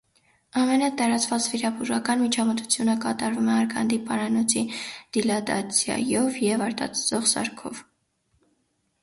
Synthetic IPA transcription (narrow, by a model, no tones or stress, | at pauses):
ɑmɛnət̪ɑɾɑt͡sʰvɑt͡sviɾɑbuʒɑkɑnmit͡ʃʰɑmət̪u̥t͡sʰjunəkɑt̪ɑɾvumɛɑɾkʰɑ̰nd̪ipɑɾɑnɔt͡sʰid̪̥ilɑd̪ɑ̰t͡sʰjɑ̰jɔvjɛvɑɾt̪ɑ̰t͡sʰt͡sɔʁsɑ̰ɾkʰɔv